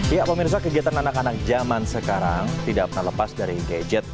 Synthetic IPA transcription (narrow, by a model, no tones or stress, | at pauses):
jaʔpəmirs̬akəɡiat̪ananakanak̚d͡ʒamansəkaɾaŋt̪idak̚pərnahləpasdaɾiɡad͡ʒɛt̪̚